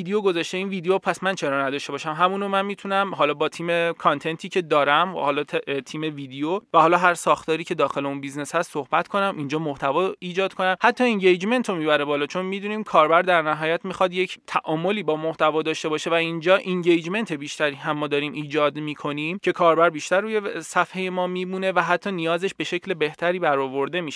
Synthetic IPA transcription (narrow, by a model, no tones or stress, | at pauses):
id̪ejoɡo̞zɒʃt̪e̞iːnviːd̪ejopʰæsmænt͡ʃʰe̞ɾɒːnæd̪ɒːʃt̪e̞bɒːʃæmɦæmuːnomænmit̪ʰunæmɦɒːlɒːbɒːt̪ʰiːme̞kʰɒnt̪ʰe̞nt̪ʰiːcʰe̞d̪ɒːɾæm̰hɒːlɒːt̪ʰt̪ʰiːme̞viːd̪ejovæhɒːlɒːɦæɾsɒːxt̪ʰɒːɾiːcʰe̞d̪ɒːxe̞leunbizneshæst̪sohbæt̪kʰo̞næmʔind͡ʒɒːmoht̪ʰævɒiːd͡ʒɒːd̪kʰo̞næmhæt̪ʰːɒːeɲɟejd͡ʒme̞nt̪ʰomiːbæɾe̞bɒːlɒːt͡ʃʰo̞nmiːd̪uniːmkʰɒːɾbæɾd̪æɾnæɦɒːjæt̪mixɒd̪je̞cʰt̪ʰæʔɒːmo̞liːbɒːmoht̪ævɒːd̪ɒːʃt̪e̞bɒːʃe̞væind͡ʒɒːʔiŋɟejd͡ʒme̞nt̪ʰe̞biːʃt̪æɾiːɦæmːɒːd̪ɒːɾiːmʔiːd͡ʒɒːd̪miːkʰo̞nimcʰe̞kʰɒːɾbæɾbiːʃt̪æɾːuːje̞sæfhejemɒːmiːmune̞væɦæt̪ʰːɒːnijɒːzeʃbe̞ʃe̞cʰle̞be̞ht̪ʰæɾiːbæɾɒːvo̞ɾd̪e̞miʃ